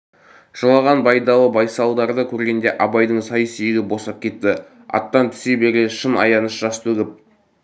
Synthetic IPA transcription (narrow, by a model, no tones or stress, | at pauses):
ʒ̥əlˠɑʁɑnbɑjd̪ɑlˠəbɑjsɑlˠd̪ɑɾd̪əkʲʰɵɾɡʲend̪e̞ʔɑbɑjd̪əɴsɑjəsejɪɡʲɪbo̞sɑp̚kʲʰe̞t̪ːɪ | ɑ̰t̪ːɑnt̪ʰɪ̥sebe̞ɾʲeʃənɑ̰jɑnəʃʒ̥ɑst̪ʰɵɡʲɪp̚